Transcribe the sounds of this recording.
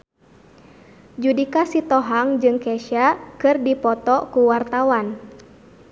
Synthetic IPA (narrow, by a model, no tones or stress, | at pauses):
d͡ʒudikasit̪ɔɦaŋd͡ʒɨŋkɛʃakɨrdipɔt̪ɔkuwart̪awan